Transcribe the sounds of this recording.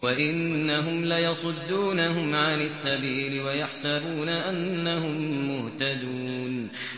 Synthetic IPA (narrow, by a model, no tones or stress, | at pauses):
waʔɪnːaɦʊmlajɑsˤʊd̪ːuːnahʊmʕanɪsːabiːlɪwajaħsabuːnaʔanːahʊmːʊht̪ad̪uːn